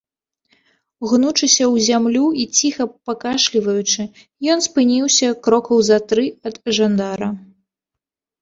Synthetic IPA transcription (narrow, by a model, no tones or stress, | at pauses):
ɣnut͡ʂɨsʲɐwzʲamlʲuit͡sʲixɐpakaʂlʲivɐjut͡ʂɨ | jɔnspɨnʲiwsʲɐkɾɔkɐwzɐt̪ɾɨɐd̪ʐand̪aɾɐ